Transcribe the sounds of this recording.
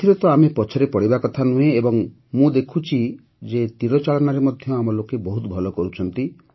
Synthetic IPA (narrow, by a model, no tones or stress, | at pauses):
iɾɔt̪ɔamepɔt͡ʃʰɔɾepɔɽibakɔt̪ʰanũẽebɔŋ | mũd̪ekʰut͡ʃʰi | d͡ʒet̪iɾɔt͡ʃalɔnaɾemɔd̪ʱjɔamɔlokebɔɦut̪ɔbʱɔlɔkɔɾut͡ʃʰɔnt̪i